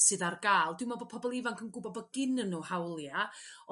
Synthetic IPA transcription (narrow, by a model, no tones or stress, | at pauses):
sɨðarɡaːlˠdwɪmɔbo̥pʰɔbɔlˠɪvaŋkʰənɡʊbɔbɔɡ̥ɪnənːuhawlˠja